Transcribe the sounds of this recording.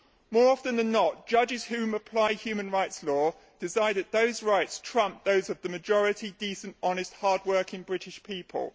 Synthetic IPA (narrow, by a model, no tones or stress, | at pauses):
mɔːɹɒfə̃nðə̃nːəʔd̥ʒ̥ʌd͡ʒɪz̥hʉ̃ːməpʰl̥aɪhjʉːmə̃nɹaɪtslɔː | d̥ɪzaɪdət̪̚ðəʊzɹaɪtstʰɹ̥ʌ̃mp̚ðəʊzəvðəməd͡ʒɒɹɪtʰidiˑsə̃ntɒnɪst̚hɑːd̚wɜˑkɪ̃ŋbɹɪtɪʃpʰiˑpʰə̰lˠ